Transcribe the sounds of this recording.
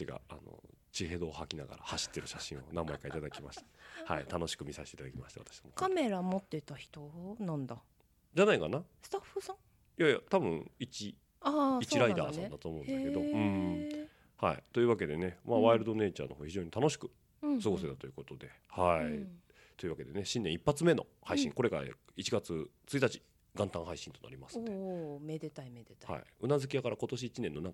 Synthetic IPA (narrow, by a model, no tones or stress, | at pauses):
iɡa̰a̰no̰ | t͡ɕiɦe̞d̪o̞ːhakʲinaɡa̰ɾa̰haɕi̥t̪ːe̞ɾɯ̟ɕaɕĩɰ̃o̞nãmːaekait̪ad̪akʲimaɕi̥t̪ha̰it̪ano̞ɕi̥kɯ̟mʲisaɕi̥t̪eit̪ad̪akʲima̰ɕi̥t̪aβa̰t̪ḁɕi̥somokame̞ɾamot̪ːe̞t̪açi̥t̪onãnd̪a | d͡ʑanaikanasɨ̥t̪aɸːɯ̟sã | jajat̪abɯ̟̃ŋit͡ɕi | aist͡ɕiɾaid̪a̰ːsd̪at̪o̞ːmo̞ɯ̟ndesked̪o̞ɯ̟̃ɴ | haḭt̪o̞jiɯβake̞d̪e̞ne̞maβaiɾɯd̪o̞ne̞ːt͡ɕa̰ːno̞hoːçiʑo̞ːɲ̟it̪ano̞ɕi̥kɯ̟̥ | sɨɡo̞set̪at̪o̞jiɯko̞t̪o̞d̪e̞ | hai | t̪o̞iɯ̟βake̞d̪e̞ne̞ɕĩnẽ̞ipːat͡sɨme̞no̞̰haiɕḭ̃ŋko̞ɾe̞kaa̰it͡ɕiɡat͡sɨt͡sɨit̪at͡ɕi̥ | ɡ̥ãnt̪ãɰ̃ɦaiɕĩnt̪o̞na̰ɾʲimasɨ̥t̪ːeed̪et̪aeha̰ḭɯ̟nazɨkʲiakaɾako̞t̪o̞ɕ̬iːt͡ɕinẽ̞nːo̞nãŋk